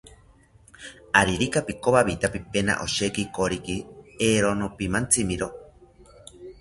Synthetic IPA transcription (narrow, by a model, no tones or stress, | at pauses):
aɾiɾikapikoβaβit̪apipena̰ʔoʃekikoɾikieɾonopimant͡simiɾo